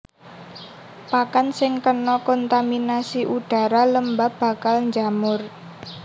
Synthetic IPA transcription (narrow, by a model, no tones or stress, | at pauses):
pakansɪŋkənɔkɔnt̪aminasiʔuɖ̥a̤ɾaləmbab̥ä̤kalɲd͡ʒamʊr